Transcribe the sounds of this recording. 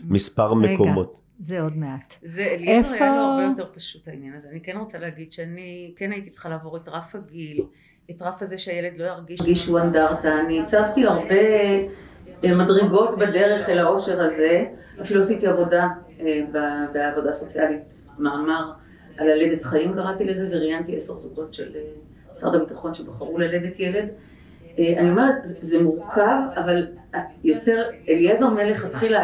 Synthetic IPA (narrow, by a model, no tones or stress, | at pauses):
mispaʁmekomo̞t | zeodmeatzelaaʁejoteʁpaʃuthainjanɐzeanikenʁot͡saleaɡid̪ʃeanikenaiti̥t͡se̥χalaːvo̞ʁetʁafhaɡil | etʁafazeʃeajeledlo̞jaʁɡiʃɡiʃuandaʁtaːnit͡savtiaʁbe̞ | madʁiɡo̞tbede̞ʁe̞χelao̞ʃe̞ʁaze̞ | afiluositiavo̞da | ebabeavo̞daːso̞t͡sialit | maːmaʁ | alale̞detχaimɡaʁat̪ilezeveʁijantieseʁsuɡo̞tʃḛle | sa̰dabitaχo̞nʃebaχaʁulale̞detje̞le̞d | eaniomaʁzzemuʁkʰavavaljo̞te̞ʁeljezo̞ʁmele̞χatχila